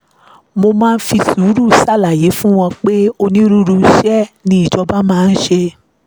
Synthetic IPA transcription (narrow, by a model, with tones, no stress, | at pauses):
mo˧mãː˦˧n̩˦fi˧suː˨˦ɾu˦˨sa˦˨la˨je˨˦fũ˦w̃ɔ̃˧k͡pe˦o˧nĩ˦ɾu˦ɾu˧˦ʃɛ˦nĩ˦i˦˨d͡ʒɔ˧ba˦mãː˦˧n̩˦ʃe˧